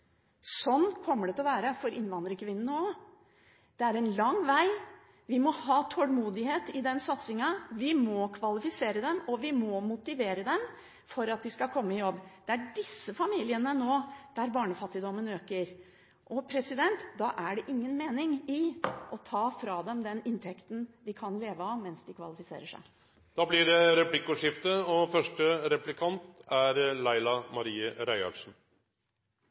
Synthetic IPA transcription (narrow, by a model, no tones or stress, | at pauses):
sɔnːkʰɔmːəɖɛt̪lʋæːɾəfɔɾɪnʋɑnd̪ɾəkʰʋɪnːənəo | d̪̥ɛæɾɛnlɑŋːʋæɪ | ʋɪmɔhɑːt̪ʰɔlmuːd̪ɪheːt̪ɪd̪ɛnsɑt̪sɪŋɑʋɪmɔkʰʋɑlɪfɪseːɾəd̪ɛmɔʋɪmɔmʊt̪ɪʋeːɾəd̪ɛm | fɔɾɑt̪̚d̪ɪskɑlkʰɔmːəɪjɔbːd̪̥ɛæɖɪsːəfɑmiːlɪənənoːd̪̥æɾbɑːɳəfɑt̪ːɪd̪ɔmːənøːkəɾ | ʔɔpʰɾɛsɪd̪ɛnt̪d̪ɑːʔæɖɛʔɪŋːənmeːnɪŋɪʔɔt̪ʰɑːfɾɑd̪ɛmd̪ɛnɪnt̪ʰɛkt̪n̩ʋɪkʰɑnleːʋəɑʋmɛnsd̪ɪkʰʋɑ̰lɪfɪsḛːɾəʂæ̰ɪ | d̪̥ɑːblɪɖɛɾɛplɪkːʊʂɪft̪əɔfœʂʈəɾɛplɪkʰɑnt̪æɾlæɪlɑmɑɾiːəɾæɪɑ̰ʂn̩